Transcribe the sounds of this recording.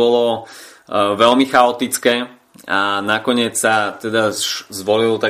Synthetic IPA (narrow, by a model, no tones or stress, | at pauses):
ɔlɔ | ʋɛlmixaɔt̪it͡skɛː | anakɔɲɪɛt͡ssat̪ɛd̪aʃzʋɔlilɔt̪a